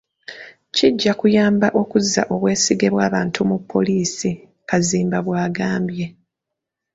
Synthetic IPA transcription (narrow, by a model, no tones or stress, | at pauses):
ciɟːakujaːmbaʔo̞kuzːa̰ʔo̞βwe̞ːsiɡe̞βwaːβaːntʰumupːo̞̰liːsi | kaziːmbaβwaːɡaːmbje̞